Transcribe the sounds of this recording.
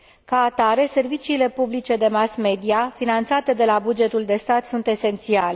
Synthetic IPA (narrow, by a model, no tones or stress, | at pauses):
kaːt̪aɾe̞se̞rvit͡ʃiːle̞publit͡ʃe̞d̪e̞masme̞d̪iafinant̪sat̪e̞d̪e̞labud͡ʒe̞t̪uld̪e̞st̪at̪sunt̪e̞se̞nt̪siale